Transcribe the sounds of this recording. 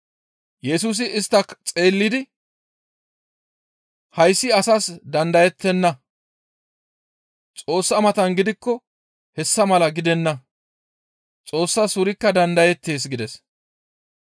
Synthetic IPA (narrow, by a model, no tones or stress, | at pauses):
jɛsuːs̬ɪɪst̪ːɐkt͡sʼe̞ːlːɪd̪ɪ | hɐjsːɪɐsɐsd̪ɐnd̪ɐjɛt̪ːɛnːɐ | t͡sʼo̞ːsːɐmɐt̪ɐnɡɪd̪ɪkːɔ | hɛsːɐmɐlɐɡɪd̪ɛnːɐ | t͡sʼo̞ːsːɐsʊɾɪkːɐd̪ɐnd̪ɐjɛt̪ːe̞ːs̬ɡɪd̪ɛs